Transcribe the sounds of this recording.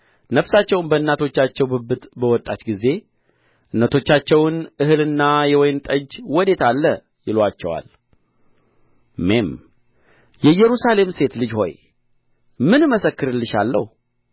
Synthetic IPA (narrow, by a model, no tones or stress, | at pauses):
nəfsat͡ʃːɛwnbəɨnːat̪ʰo̞t͡ʃːat͡ʃːɛwbɨbɨt̪bəwɔt̪ʼat͡ʃɡize̞ | ʔɨnːət̪ʰo̞t͡ʃːat͡ʃːɛwnʔɨhɨlɨnːajɛwɔjnt̪ʼəd͡ʒwɔd̪e̞t̪alːə | jɪlwat͡ʃːɛwa̰l | me̞m | jɛjːɛɾusale̞mse̞t̪lɨd͡ʒho̞̰j | mɨnməsəkːɨɾɨlːɨʃa̰lːə̰h